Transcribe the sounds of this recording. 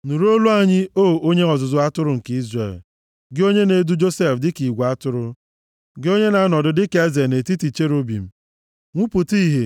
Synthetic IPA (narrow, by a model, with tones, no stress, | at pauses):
nu˨ɾo˦lu˦a˦ɲɪ˦o˦˨o˦ɲe˦ɔ˨zʊ˨zʊ˦a˦tʊ˦ɾʊ˨ŋ̩˨ki˦zrḛ˨l | ɡɪ˦o˦ɲe˦ne˨du˦d͡ʒo˦se˦˨fdɪ˦ki˨ɡʷa˦tʊ˦ɾʊ˦ | ɡɪ˦o˦ɲe˦na˨˦nɔ˨dʊ˨dɪ˦ke˦ze˨ne˨ti˦ti˨t͡ʃe˦ɾo˦bḭ˨m̩˦ | ŋʷu˦pʊ˨ti˦ɦe˨